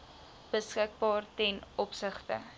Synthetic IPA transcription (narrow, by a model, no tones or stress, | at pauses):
b̥əskək̚bɑːrtɛnɔpsəχtə̰